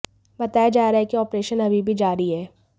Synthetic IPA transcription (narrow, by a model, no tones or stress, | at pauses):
bɐt̪aːjad͡ʒaːɾaɦekiɔːpɾeːʃənɐbʱibʱid͡ʒaːɾiɦɛː